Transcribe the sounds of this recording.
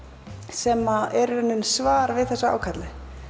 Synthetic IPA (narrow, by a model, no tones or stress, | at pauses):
sɛːmaɛɾɛnːʏnsvaːɾvɪðθɛsːaa̰ːwkʰat̪lɪ